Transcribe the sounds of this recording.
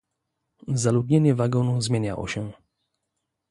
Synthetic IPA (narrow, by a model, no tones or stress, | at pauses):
zalud̪ɲɛɲɛvaɡɔnuzmʲjɛɲa̰lɔ̰ɕɛ